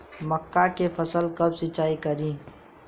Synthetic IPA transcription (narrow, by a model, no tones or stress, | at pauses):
məkːakepʰəsəlkəbsɪt͡ʃaːikəɾĩː